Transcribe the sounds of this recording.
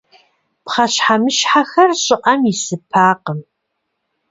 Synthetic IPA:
pχɐɕħamɨʃħaxɐrɕʼɪʔɐmjɪsɨpʰaːqəm

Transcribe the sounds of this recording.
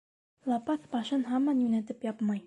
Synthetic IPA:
lˠɑpɑθbɑʃɤnɦɑmːɑnjunæt̪ɘpjɑpmɑj

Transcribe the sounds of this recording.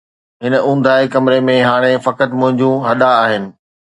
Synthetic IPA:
ɦɪnə̆ʔũːn̆d̪ʱaːekɐmɪɾemẽɦaːɽ̃efɐkət̪mʊ̃ɦɪ̃ɲd͡ʑũɦɐɗ̪aːɦɪnɪ̆

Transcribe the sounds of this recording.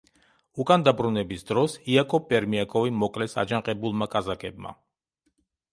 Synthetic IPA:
ukʼand̪abɾunɛbisd̪ɾɔsiakʼɔpʼɛɾmiakʼɔvimɔkʼlɛsa̰d͡ʒaŋqʼɛbulˠmakʼazakʰʼɛbma̰

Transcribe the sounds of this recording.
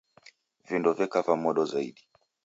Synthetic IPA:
vindɔvɛkavamɔɗɔzaiɗi

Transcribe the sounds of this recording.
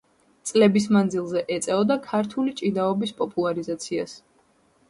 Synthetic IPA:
t̪sʼlɛbis̬mand̪zilˠzɛʔɛt̪sʼɛɔd̪akʰaɾt̪ʰulit͡ʃʼid̪aɔbispʼɔpʼulˠaɾizat̪sʰia̰s

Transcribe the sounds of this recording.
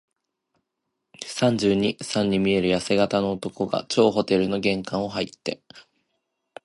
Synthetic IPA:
sãɲ̟d͡ʑɨːɲ̟isãɲ̟ːimʲie̞ɾɯ̟jase̞ɡat̪ano̞ːt̪o̞ko̞ɡa̰t͡ɕo̞ːɦo̞t̪e̞ɾɯ̟no̞ɡẽ̞ŋkãɰ̃o̞ɦait̪ːe̞

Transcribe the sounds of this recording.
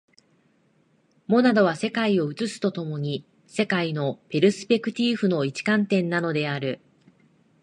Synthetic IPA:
mo̞nad̪o̞β̞ase̞kaio̞ɯ̟t͡sɨsɨ̥t̪o̞t̪o̞mo̞ɲ̟i | se̞kaino̞pe̞ɾɯ̟sɨ̥pe̞kɯ̟t̪ʲiːɸɯ̟no̞it͡ɕi̥kãnt̪ẽ̞nːano̞d̪e̞aɾɯ̟

